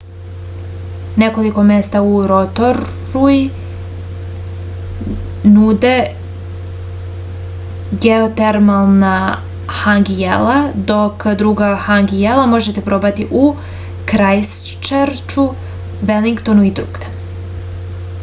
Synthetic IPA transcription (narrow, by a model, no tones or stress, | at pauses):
ne̞ko̞liko̞mest̪auɾot̪oɾ | ui | nud̪e | ɡeot̪eɾmalˠna | xaŋɡijḛlad̪o̞kd̪ɾuɡaxaŋɡijelamo̞ʒet̪e̞pɾo̞bat̪iʔu | kɾajs | t͡ʃeɾt͡ʃu | ʋeliŋkt̪onuid̪ɾṵːɡd̪e